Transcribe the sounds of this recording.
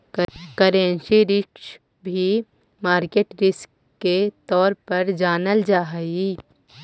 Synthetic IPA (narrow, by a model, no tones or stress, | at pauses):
kəɾẽnʃiɾɪkʃ | bʱi | maːɾkeːʈɾɪskː | et̪ɔːɾpɐɾd͡ʒaːnəld͡ʒaːɦi